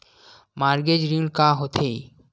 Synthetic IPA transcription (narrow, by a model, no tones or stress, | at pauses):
maɾɡed͡ʒɾilkaɦot̪ʰe